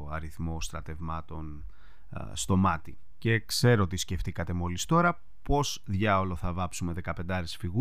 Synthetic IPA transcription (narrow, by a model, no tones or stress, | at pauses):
ɐ̰ɾiθmo̞st̪ɾɐt̪e̞vmɐt̪o̞n | st̪o̞mɐt̪i | ce̞kse̞ɾo̞t̪isce̞ft̪ikɐt̪e̞mo̞list̪o̞ɾɐ | po̞zðʝɐolo̞θɐvɐpsume̞ðe̞kɐpe̞nd̪ɐɾesfiɣu